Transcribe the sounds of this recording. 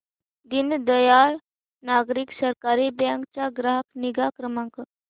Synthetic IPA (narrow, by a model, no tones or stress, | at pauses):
d̪ind̪əjaːɾ | naːɡɾiksəɾkaːɾibjãŋkt͡ʃaɡɾaɦəkniɡaːkɾəmãŋk